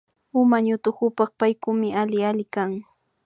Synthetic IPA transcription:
ʊmaɲʊt̪ʊkʊpɑχpajkʊmɪalɪalɪkaŋ

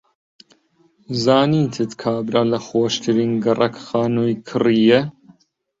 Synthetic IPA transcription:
zaːniːt̪ʰɨt̪kʰaːbɾalɐxoːʃt̪ʰɨɾiːnɡɐrʔɐkxaːnujkʰɨrijɛ

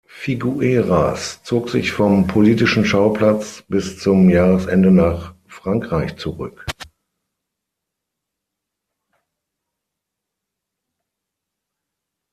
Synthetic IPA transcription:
fiɡuʔeːʁast͡soːkz̥ɪçfɔmpʰoliːtɪʃn̩ʃaʊpl̥at͡sb̥ɪst͡sʊmjaːʁəsʔɛndənaːχ | fʁ̥aŋkʁ̥aɪçt͡suʁʏ̰k

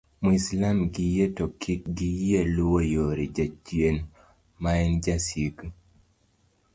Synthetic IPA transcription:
muislamɡijetɔkik̚ɡijelʊwojoɾid͡ʒat͡ʃjen | maɛnd͡ʒasiɡ

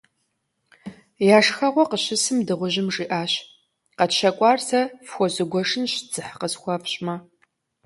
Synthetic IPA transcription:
jaːʂxɐʁʷɔqəɕɪsɨmdɨʁʷʊʑɪmʐiːʔaːɕ | qɐtʃɐkʷʼɑːrsɐfxʷɔzɨɡʷɔʂɨnɕt͡sɨħqəsxʷɐpɕʼmɐ

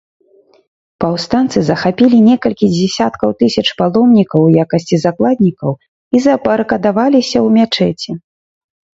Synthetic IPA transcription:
pawst̪ant̪sɨzɐxapʲilʲinʲɛkɐlʲkʲid͡zʲɛsʲat̪kɐwt̪ɨsʲɐt͡ʂpalˠɔmnʲikɐwjakɐsʲt͡sʲizaklˠad̪ʲnʲikɐw | izɐbɐɾkɐd̪avalʲisʲɐwmʲat͡ʂɛt͡sʲɛ

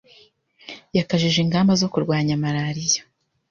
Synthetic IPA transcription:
jakaʒiʒiŋɡaːmbazo̞kuɾɡwaːɲamaɾaɾijḁ

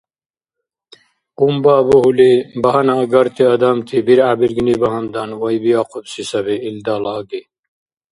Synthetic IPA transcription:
umbaːboɦulibɐɦɐnaɡɐɾt̪ʰiɐd̪amt̪ʰibiɾaːbiɾɡinibɐɦɐmd̪ɐnwɐjbijaːqʰobsisɐβeild̪aːlaːɡi

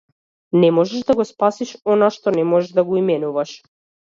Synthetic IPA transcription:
nɛmɔʒɛʒd̪aɡɔspasiʃɔnaʃt̪ɔnɛmɔʒɛʒd̪aɡɔimɛnuvaʃ

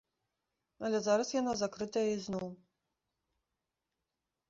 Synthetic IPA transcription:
alʲɛzaɾɐsjanazakɾɨt̪ɐjɐiznɔw

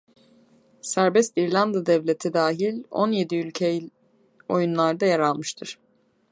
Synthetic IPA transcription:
sæɾbɛst̪iɾlʲand̪ad̪ɛvlʲe̞t̪ʰid̪aːɦilʲo̞̰nje̞d̪iylʲcʰe | o̞̰junlˠaɾd̪ajaɾalˠmɯʃt̪ʰɯɾ̥

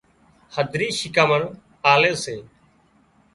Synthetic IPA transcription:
həd̪ʱɾiːʃɪkaːməɳ | aːleːseː

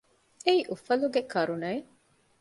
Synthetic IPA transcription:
eiʔufɐluɡekɐɾunɐi

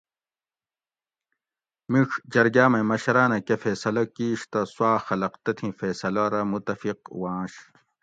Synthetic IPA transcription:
miʂd͡ʑɐɾɡaːmɐ̃mɐɕɐɾaːnɐkefeːsɐlɐkiːɕt̪ɐswaːxɐlɐqt̪ɐt̪ʰĩfeːsɐlɐɾɐmut̪ɐfiq̚wãːɕ

